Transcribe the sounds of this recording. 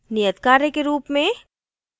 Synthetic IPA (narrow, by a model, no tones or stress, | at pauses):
nijət̪kaːɾekeɾuːpmẽ